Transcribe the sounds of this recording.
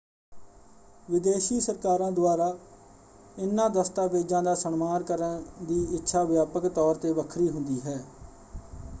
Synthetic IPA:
ʋɪd̪eːʃiːsəɾkaːɾãːd̪ʊaːɾaː | ɪnːãːd̪əst̪aːbeːd͡ʒãːd̪aːsəɳmaːnkəɾənd̪iːɪtːʃʰaːʋjaːpəkt̪ɔːɾt̪eːʋəkʰɾiːɦʊnd̪iːɦɛː

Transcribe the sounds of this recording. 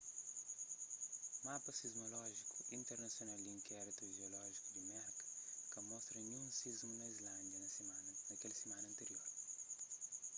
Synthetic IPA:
mapɐsizmolɔʒiku̥ʔĩnt̪eɾnɐsjonald̪iĩŋkɛɾit̪uʒeolɔʒikud̪imɛɾkɐ̥kɐmɔst̪ɾɐnũsizmunɐizlãnd̪jɐnɐannɐkɛlɐsemãnɐ̃nt̪eɾioɾ

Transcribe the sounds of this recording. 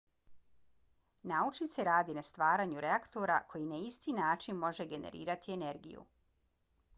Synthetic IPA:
naut͡ʃnit̪se̞ɾaːd̪inast̪ʋaːɾaːɲuɾeakt̪o̞ɾakʰo̞jinaist̪iːnaːt͡ʃinmo̞ʒe̞ɡe̞ne̞̰ɾḭːɾat̪ie̞ne̞ɾɡḭjṵ

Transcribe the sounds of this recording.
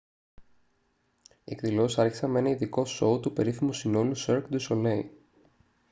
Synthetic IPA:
ḛkðilo̞sɐɾçi̥sɐme̞nɐiðiko̞so̞ːt̪upe̞ɾiθimusino̞luseɾkd̪usolei

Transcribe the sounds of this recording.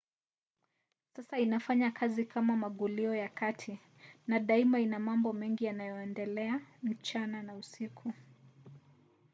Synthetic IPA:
sasainafaɲakʰazikʰamamaɠuliɔjakatʰi | naɗaimainamambɔmɛŋɡijanajɔɛndɛlɛam̩t͡ʃananausikʰu

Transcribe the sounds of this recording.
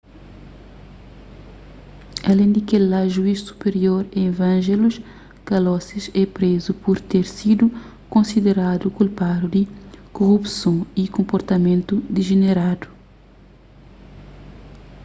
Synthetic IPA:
ɐlẽnd̪ikelaʒuiʃsu̥peɾioɾẽvɐ̃ʒeluʃ | kɐlɔsiʃɛpɾezupuɾt̪eɾsid̪u | kõnsid̪eɾad̪ukulpad̪ud̪ikoʁupsõikõmpoɾt̪ɐmẽnt̪ud̪iʒeneɾad̪u

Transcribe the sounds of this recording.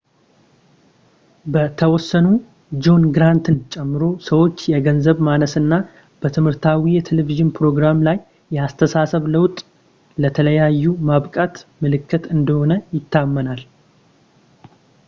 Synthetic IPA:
bət̪ʰəwɔsːənu | d͡ʒo̞nɡɾant̪ʰɨnt͡ʃʼɛmːɨɾo̞səwo̞t͡ʃːjɛɡənzəβmanəsɨnːa | b̥ət̪ʰɨmhɨɾt̪ʰawijɛt̪ʰeleviʒɪnpʰɾo̞ɡɾamlajː | ɛast̪ʰəsasəβləwt̪ʼ | lət̪ʰələjajːumaβkʼat̪mɨlɨkʰːɨt̪ɨnd̪əho̞nəjɪt̪ʰːamːənal

